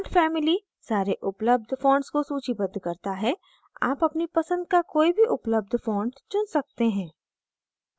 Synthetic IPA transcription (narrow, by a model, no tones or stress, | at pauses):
ʈfɛːmɪli | saːɾeʔʊpləb̚d̪ʱfɔ̃ːɳɖskosuːt͡ʃibɐd̪ʱkɐɾt̪aɦɛ | a̰ːpɐpnipɐsə̃nd̪̚kakoːibʱiʔʊpləb̚d̪ʱfɔ̃ːɳɖt͡ʃʊnsɐk̚t̪eɦɛ̃ː